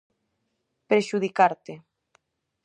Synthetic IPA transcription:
pɾeʃuðikaɾt̪e

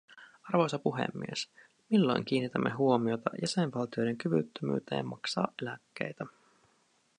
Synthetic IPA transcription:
ɑrʋo̞jsɑpuɦḛmːies | milːojŋk̟iːnːit̪æmːʔe̞ɦuo̞mio̞t̪ɑ̰jæsenʋɑlt̪ijo̞jde̞ŋkyʋy̰t̪ːømy̰ːt̪ḛːmɑksɑ̰ːʔʔelækːe̞̰jt̪æ

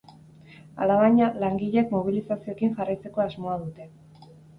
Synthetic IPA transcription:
a̰laβaɲalaŋɡiʎekmo̞β̞ilisasio̞ekiŋʝarajt͡se̞ko̞azmo̞að̞ut̪e̞

